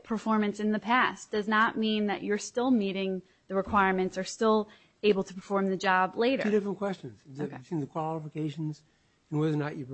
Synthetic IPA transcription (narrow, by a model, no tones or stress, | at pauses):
pʰə˞fɔɹmɨ̃nsɨ̃nðɨpʰæsd̥ʌznət̚mĩnðɨ̰t͡ʃə˞stɪlˠmiɾɪ̃ŋ | ðɨɹɨkʰw̥aɪɹmɨ̃ntsə˞stɪlˠ | eɪbl̩ˠtʰəpʰə˞fɔɹmðɨd͡ʒɑbleɪɾə̰ʉɾɪfɹə̃nkʰw̥ɛst͡ʃɨ̃nz̥sĩnðɨkʰw̥ɑlˠəfəkʰeɪʃn̩z̃ | nwʌðə˞nət͡ʃɨ